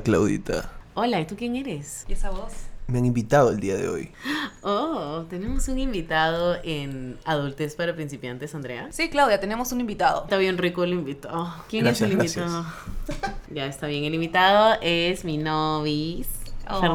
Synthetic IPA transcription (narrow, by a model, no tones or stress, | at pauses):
klawðḭt̪a̰olait̪ukje̞ŋe̞ɾesesaβosmeaŋĩmbit̪að̞oeld̪iaðḛo̰jot̪e̞ne̞mo̞sunimbit̪aðoʔenaðult̪espaɾapɾins̬ipjant̪e̞sand̪ɾea̰siklawðjat̪enemosunĩmbit̪aðot̪aβje̞nrikolimbit̪ookjenɾeslimɾbisjaðo | ɟaest̪aβje̞ŋelimbit̪aðoʔesminoβisɾ